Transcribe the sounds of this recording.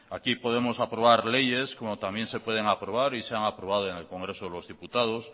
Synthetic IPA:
akipo̞ð̞e̞mo̞sapɾo̞β̞aɾle̞je̞sko̞mot̪amjẽ̞nse̞pwe̞ð̞e̞ŋapɾo̞β̞aɾiseaŋapɾoβað̞oeŋe̞lko̞ŋɡɾe̞soelo̞zðiput̪að̞os

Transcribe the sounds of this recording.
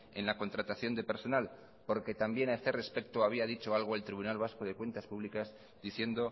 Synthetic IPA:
e̞̰nlako̞nt̪ɾat̪aθjo̞nd̪e̞pe̞ɾso̞nal | po̞ɾke̞t̪ambje̞naeθere̞spe̞k̚t̪oaβ̞iað̞it͡ʃo̞alɣ̞oelt̪ɾiβ̞unalβ̞asko̞ðe̞kwe̞nt̪aspuβlikaz | d̪iθje̞nd̪o̞

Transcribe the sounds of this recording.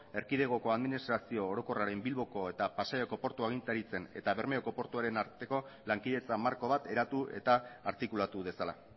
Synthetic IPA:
e̞ɾkið̞e̞ɣ̞o̞ko̞aðminist̪ɾasio̞ːɾo̞ko̞raɾe̞mbilβo̞ko̞e̞t̪apasajo̞ko̞po̞ɾt̪uaɣ̞int̪aɾit͡se̞ne̞̰t̪aβe̞ɾmeoko̞po̞ɾt̪uaɾe̞naɾt̪e̞ko̞laŋkiðe̞t͡samaɾko̞β̞at̪e̞ɾat̪uʔe̞̰t̪aːɾt̪ikulat̪uβe̞sala̰

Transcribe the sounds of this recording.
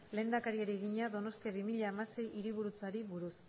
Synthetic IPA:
le̞ːnd̪akaɾieɾieɣiɲaðo̞no̞st̪iaβimiʎaːmase̞jiɾiβ̞uɾut͡saɾiβuɾus

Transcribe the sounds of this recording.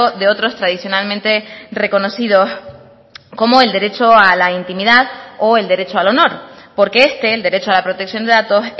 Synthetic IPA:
oðe̞o̞t̪ɾo̞st̪ɾaðisjo̞nalmẽnt̪e̞re̞ko̞no̞siðo̞s | ko̞moe̞ld̪e̞ɾe̞t͡ʃo̞alaint̪imiðaðoe̞ld̪e̞ɾe̞t͡ʃoalo̞no̞ɾpo̞ɾke̞est̪e̞ːld̪e̞ɾe̞t͡ʃoalapɾo̞t̪e̞ksjo̞nd̪e̞ðat̪o̞s

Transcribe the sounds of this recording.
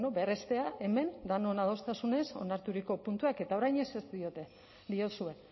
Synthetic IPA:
nobe̞re̞st̪e̞aʔe̞me̞nd̪ano̞nað̞o̞st̪asune̞so̞̰naɾt̪uɾiko̞punt̪uake̞t̪ao̞ɾajɲe̞sezd̪io̞t̪e̞ | d̪iosue̞

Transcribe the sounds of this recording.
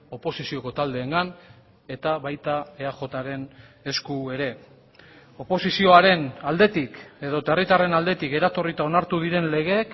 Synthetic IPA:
o̞po̞sisio̞ko̞t̪ald̪e̞ːŋɡan | e̞t̪aβajt̪ae̞aʝo̞t̪aɾe̞ne̞skue̞ɾe̞ | o̞po̞sisio̞aɾe̞nald̪e̞t̪ike̞ðo̞t̪erit̪are̞nald̪e̞t̪ike̞ɾat̪o̞rit̪ao̞naɾt̪uðiɾe̞nle̞ɣ̞e̞ːk

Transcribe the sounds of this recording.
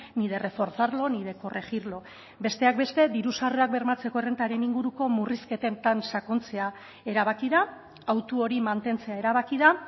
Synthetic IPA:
niðe̞re̞fo̞ɾθaɾlo̞niðe̞ko̞reɣiɾlo̞ | be̞st̪e̞ak̚be̞st̪e̞d̪iɾusareak̚be̞ɾmat͡se̞ko̞ere̞nt̪aɾe̞niŋɡuɾuko̞muriske̞t̪e̞nt̪ansako̞nt͡se̞a | e̞ɾaβ̞akiða | awt̪uo̞ɾimant̪e̞nt͡se̞ae̞ɾaβakiða

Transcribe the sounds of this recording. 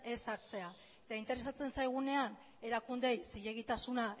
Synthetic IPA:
e̞saɾt͡se̞a | et̪aint̪e̞ɾe̞sat͡se̞nsajɣ̞une̞an | e̞ɾakund̪e̞jsiʎe̞ɣ̞it̪asuna

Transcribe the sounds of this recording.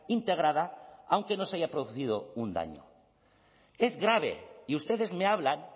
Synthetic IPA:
int̪eɣ̞ɾaðaawŋkenosaʝapɾoðuθiðound̪a̰ɲo̰ | ezɣɾaβ̞ḛiust̪eðezmeaβ̞laŋ

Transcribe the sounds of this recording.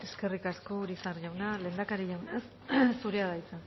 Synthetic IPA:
e̞ske̞rikaskoɾisaɾʝawnale̞ːnd̪akaɾiʝawnes | suɾeaðajt͡sa

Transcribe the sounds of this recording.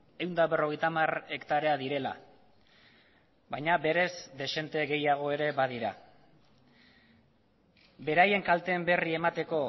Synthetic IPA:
e̞wnd̪aβe̞ro̞ɣe̞jt̪amare̞kt̪aɾe̞aðiɾe̞la̰ | βajɲaβe̞ɾe̞zd̪e̞se̞nt̪e̞ɣe̞jaɣ̞o̞eɾe̞βaðiɾa̰ | be̞ɾaje̞ŋkalt̪e̞mbe̞rie̞mat̪e̞ko̞

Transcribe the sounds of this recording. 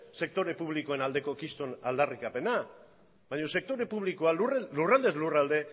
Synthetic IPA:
se̞k̚t̪o̞ɾe̞puβliko̞e̞nald̪e̞ko̞kist̪o̞nald̪arikape̞na | βajɲo̞se̞k̚t̪o̞ɾe̞puβlikoalurlurald̪e̞zlurald̪e̞

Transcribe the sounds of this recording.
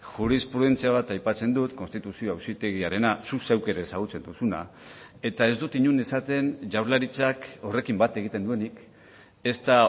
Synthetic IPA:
ʝuɾispɾuð̞ent͡siaβ̞at̪ajpat͡se̞nd̪ut̪ko̞nst̪it̪usioawsit̪e̞ɣiaɾe̞nasusewke̞ɾesaɣ̞ut͡se̞nd̪usuna̰ | e̞t̪ae̞zd̪ut̪iɲune̞sat̪e̞nʝawɾlaɾit͡sako̞re̞kimbat̪e̞ɣit̪e̞nd̪uenik | e̞st̪a

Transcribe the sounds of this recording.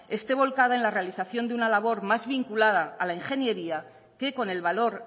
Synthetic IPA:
e̞st̪e̞β̞o̞lkaðaenlare̞aliθaθjo̞nd̪eunalaβ̞o̞ɾmazβiŋkulað̞aːlaiŋxe̞nje̞ɾia | ke̞ko̞ne̞lβalo̞ɾ

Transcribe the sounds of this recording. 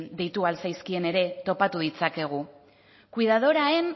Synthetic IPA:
d̪ejt̪ualsajskie̞ne̞ɾe̞t̪o̞pat̪uðit͡sake̞ɣ̞u | kuiðaðo̞ɾae̞n

